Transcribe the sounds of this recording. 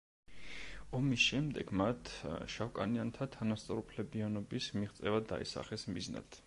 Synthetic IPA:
ɔmisʃɛmd̪ɛɡ̥mat̪ʰʃafkʼa̰niant̪ʰat̪ʰanast̪sʼɔɾupʰlɛbianɔbismiʁt̪sʼɛvad̪a̰ḭsa̰χɛsmizna̰d̪̥ʰ

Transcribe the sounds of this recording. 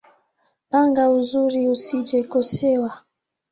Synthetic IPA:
paŋɡauzuɾiusid͡ʒɛkosɛewa

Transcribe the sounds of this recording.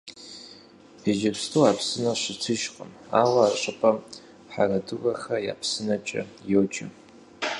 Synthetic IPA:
pʰed͡ʒɐpstʰʼuwaːpʰsɨnɐɕɪtʰɨʃqʼəm | aːwɐːɕʷʼɨpʰʼɐ | ħa̰rɐdɨrɐxɐja̰ːpʰsɨnɐt͡ʃʼɐ̰jowt͡ʃʼɪ

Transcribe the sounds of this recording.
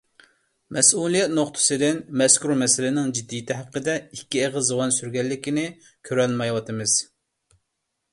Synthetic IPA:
mɛsulˠijɛt̪noχt̪ʰɨ̥sɨd̪ɪnmɛskuɾmɛsɪlɪnɪŋd͡ʒid̪ːijt̪ʰɪɦæqːəd̪ɛikʲːieʁəzzɨwɑnsyɾɡʲɛlːɪkʲinɪ | kʲʰøɾɛlmɛjwɑt̪ʰɨmɨz̥

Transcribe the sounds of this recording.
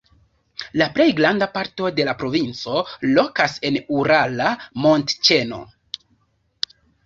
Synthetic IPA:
laple̞jɡɾandapaɾto̞de̞lapɾo̞vint͡so̞lo̞kase̞nuɾalamo̞ntt͡ʃe̞no̞̰

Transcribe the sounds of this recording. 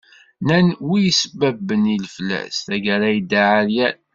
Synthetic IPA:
nænwijəsəbæbːənilflæ̰sθæɡəɾæjd̪aʕaɾjæn

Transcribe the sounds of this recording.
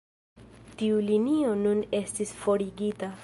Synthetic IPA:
tiulinio̞nune̞stisfo̞ɾiɡita

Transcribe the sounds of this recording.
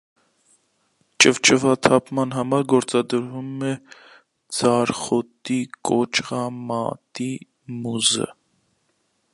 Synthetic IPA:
t͡ʃʼəvt͡ʃəvɑt̪ʰɑpʰmɑnɦɑmɑɾɡɔɾt͡sɑd̪əɾvumɛ | d͡zɑɾχɔt̪ikɔt͡ʃʁɑmɑt̪i | muzə̰

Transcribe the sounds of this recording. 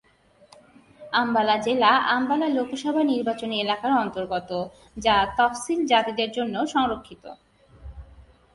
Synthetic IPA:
ambalad͡ʑelaʔambalalokoʃɔbʱaniɾbat͡ɕonielakaɾɔnt̪oɾɡɔt̪o | d͡ʑat̪ɔfsild͡ʑat̪id̪eɾd͡ʑonːoʃɔŋɾokʰːit̪o̰

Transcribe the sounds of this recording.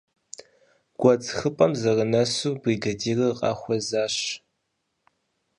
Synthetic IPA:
ɡ̥ʷɔt͡sʼxɨpʼɐmzɐrənɐsuːbriːɡɐdiːrɨqʼɑ̰ːxʷɔzaːɕ

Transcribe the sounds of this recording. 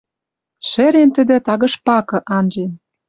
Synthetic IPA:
ʃeɾent̪ə̆d̪ĕt̪ɑɣɤ̆ʃpɑkɤ̆ʔɑnʒen

